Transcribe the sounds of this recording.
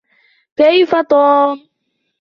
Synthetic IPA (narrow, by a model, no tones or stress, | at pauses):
kajfat̪ɔː